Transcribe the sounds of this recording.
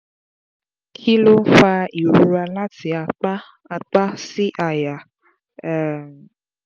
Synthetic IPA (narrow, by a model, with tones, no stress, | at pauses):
kʰi˦lo˦fa˧i˨ɾu˧ɾa˧la˦ti˨a˧k͡pa˦ | a˧k͡pa˦si˦ʔa˨ja˨